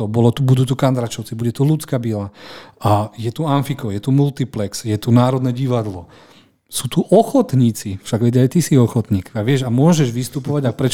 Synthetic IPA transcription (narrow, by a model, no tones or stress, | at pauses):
ɔbɔlɔt̪ubud̪ut̪ukand̪ɾat͡ʃɔʊt͡sibuɟɛt̪ulut͡skabila | jɛt̪uanfikɔʊjɛt̪umult̪iplɛksjɛt̪unaːɾɔd̪nɛɟiʋad̪lɔ | suːt̪uʔɔxɔt̪ɲiːt͡sifʃaɡʋɛɟɛajt̪isiɔxɔt̪ɲiːkaʋɪɛʒamʊɔʒɛʒʋist̪upɔʋaɟapɾɛt͡ʃ